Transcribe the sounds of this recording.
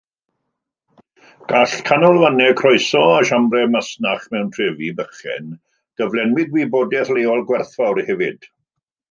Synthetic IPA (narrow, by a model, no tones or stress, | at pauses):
ɡ̥aɬkʰanɔlˠvanɛkʰrɔjsɔaʃamrɛmasnaχmɛwntʰrɛvibəχɛ̰n | ɡ̥əvlˠɛnwɪd̚wiːboːdɛθleɔlˠɡwɛrθvawɾhɛvɨd̥